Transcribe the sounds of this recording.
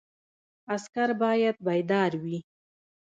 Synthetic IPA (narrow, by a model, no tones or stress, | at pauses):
askaɾbɑjad̪̚bajd̪ɑɾwi